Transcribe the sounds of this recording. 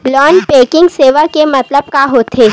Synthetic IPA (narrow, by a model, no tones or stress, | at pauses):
ɡlɔːnpeːkɪ̃ŋɡseːʋakemɐt̪ləb̚kaɦot̪ʰeː